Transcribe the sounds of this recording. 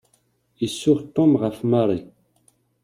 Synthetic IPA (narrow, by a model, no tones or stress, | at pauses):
isːuʁt̪ɔ̃mbʁafmaɾi